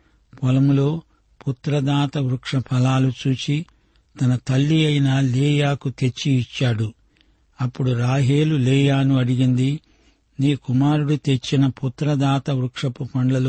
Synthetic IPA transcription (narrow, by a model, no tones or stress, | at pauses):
pɔlɐmlo̞ː | put̪ɾɐd̪aːt̪ɐʋɾukʂɐpʰɐlaːlut͡ʃuːt͡ʃi | t̪ɐnɐt̪ɐlːiɐjnaleːjaːkut̪e̞t͡ʃːiːt͡ʃːaːɽu | ɐpːuɽuɾaːɦeːluleːjaːnuɐɽiɡind̪i | niːkumaːɾuɽut̪e̞t͡ʃːinɐput̪ːɾɐd̪aːt̪ɐʋɾukʂɐpupɐɳlɐlu